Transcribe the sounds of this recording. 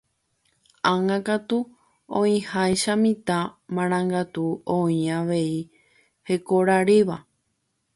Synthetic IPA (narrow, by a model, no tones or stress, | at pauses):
ãŋãkat̪u | õĩhajʃamĩt̪ãmãɾ̃ãŋɡat̪uõĩaʋe̞i | he̞koɾaɾiʋa